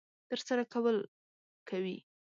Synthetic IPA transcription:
t̪əɾsaɾakawəl | kʰawi

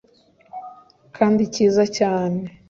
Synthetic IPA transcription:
kʰaːndiciːzacaːne

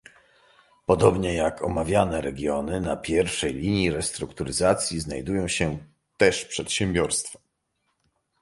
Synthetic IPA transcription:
pɔd̪ɔbɲɛjakʰɔ̰mavʲjanɛɾɛɡʲjɔnɘnapʲjɛɾfʂɛjlʲiɲjiɾɛst̪ɾukt̪uɾɘzat̪sʲjiznajd̪ujɔ̃w̃ɕɛ | t̪ɛʂpʂɛt̪ɕɛmbʲjɔɾst̪fḁ

